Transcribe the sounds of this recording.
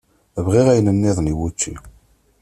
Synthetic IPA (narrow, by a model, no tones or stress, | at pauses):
vʁiʁæjnəmniðˤniwut͡ʃːi